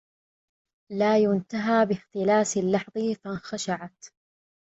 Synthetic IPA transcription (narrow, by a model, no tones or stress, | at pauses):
laːjʊnt̪aɦaːbɪxt̪ɪlaːsɪlːɑħðˤɨfanxaʃaʕat̪